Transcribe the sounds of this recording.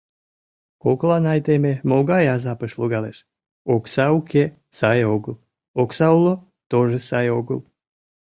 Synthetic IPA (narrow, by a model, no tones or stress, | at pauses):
koklˠɑnɑjt̪ememoɡɑjazɑpəʃlˠuɡɑleʃ | oksauke | sajeoɡɨlˠ | oksaulˠo | t̪oʒesɑjoɡɨlˠ